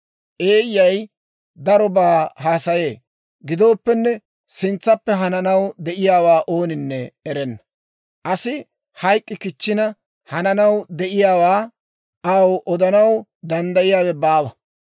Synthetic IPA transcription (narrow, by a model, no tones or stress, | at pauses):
ʔeːjːɐj | d̪ɐɾɔbaːhaːsɐje̞ː | ɡɪd̪o̞ːpːɛnːɛ | sɪnt͡sːɐpːɛɦɐnɐnɐwd̪ɛʔɪjaːwaːʔo̞ːnɪnːɛɛɾɛnːɐ | ʔɐsɪ | hɐjkʼːɪkɪt͡ʃːɪnɐ | hɐnɐnɐwd̪ɛʔɪjaːwaː | ɐwʔɔd̪ɐnɐwd̪ɐnd̪ɐjɪjaːwɛbaːwɐ